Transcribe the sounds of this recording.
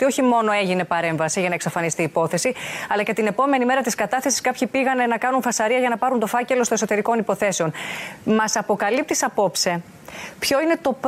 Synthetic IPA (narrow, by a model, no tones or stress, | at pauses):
t̪io̞çimo̞no̞e̞ʝine̞pɐɾe̞ɱvɐsiʝɐnɐeksɐfɐnist̪iːpo̞θe̞siɐlɐce̞t̪ine̞po̞me̞nime̞ɾɐt̪iskɐt̪ɐθe̞siskɐpçipiɣɐne̞nɐkɐnunfɐsɐɾiɐʝɐnɐpɐɾunt̪o̞fɐce̞lo̞st̪oeso̞t̪e̞ɾiko̞nipo̞θe̞seo̞nmɐsɐpo̞kɐlip̚t̪isɐpo̞pse̞ | pço̞ine̞t̪o̞p